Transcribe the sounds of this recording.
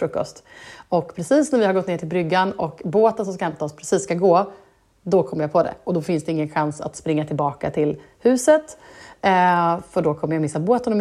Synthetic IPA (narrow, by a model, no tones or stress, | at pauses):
fɾɵkːɔ̰st̪ɔkpʰɾɛsiːsnæɾvɪhaɾɡɔt̪neːʈʰɪlbɾʏɡːanɔkboːt̪ənsɔmskahɛmt̪ʰaɔspʰɾɛsiːsːkaɡoː | d̪ɔkʰɔmːɾjapʰɔd̪ɛ̰ɔd̪ɔfɪnsd̪ɛɪŋːənɧansa̰t̪spɾɪŋːat̪ʰɪlbɑːka̰t̪ʰɪl | hʉ̟ːsət̪ | fœɖɔkʰɔmːəjamɪsːaboːt̪ənɔm